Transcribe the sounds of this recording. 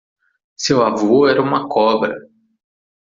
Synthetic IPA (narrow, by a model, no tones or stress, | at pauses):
sewavoɛɾɐũmɐkʰɔbɾɐ